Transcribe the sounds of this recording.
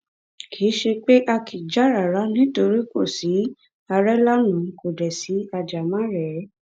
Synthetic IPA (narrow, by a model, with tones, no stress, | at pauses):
kʰi˨˦ʃe˧k͡pe˦ʔa˧kʰi˨d͡ʒa˨˦ɾa˨ɾa˨˦nĩ˦to˧ɾi˦ko˦˨si˨˦ | a˧ɾɛ˦la˦nũ˨˦ko˨dɛ˨si˨˦a˧d͡ʒa˨mã˦ɾɛ˨˦